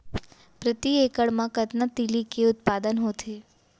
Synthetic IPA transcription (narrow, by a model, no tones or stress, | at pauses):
pɾət̪iekəɭmãkət̪nat̪ilikeʊt̪̚pad̪ənɦot̪ʰe